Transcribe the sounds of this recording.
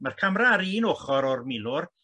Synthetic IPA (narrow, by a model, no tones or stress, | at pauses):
markʰamraɾiːnoːχɔɾɔrmɪlˠʊr